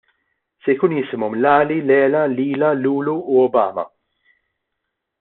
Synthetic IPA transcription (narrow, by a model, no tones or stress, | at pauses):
sɛjkuːnjɪsɪmɔmlɐːlilɛːlɐliːlɐluːluːɔbɐ̰ːmɐ̰